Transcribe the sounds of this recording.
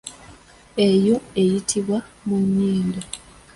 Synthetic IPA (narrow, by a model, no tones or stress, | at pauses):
e̞joe̞jitʰiβwa | muɲːiːnda